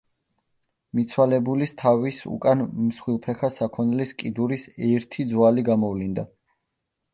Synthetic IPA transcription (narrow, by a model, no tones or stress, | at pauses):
mit̪sʰwalɛbulist̪ʰavisṵkʼanmsχwilˠpʰɛχasakʰɔnliskʼid̪uɾisɛɾt̪ʰid̪zwaliɡamɔvlind̪a